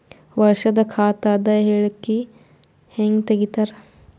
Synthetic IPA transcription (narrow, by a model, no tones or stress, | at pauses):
ʋɐɾʃɐd̪ɐkʰaːt̪aːd̪ɐjɦeɭki | heŋɡt̪ɐɡit̪ɐɾ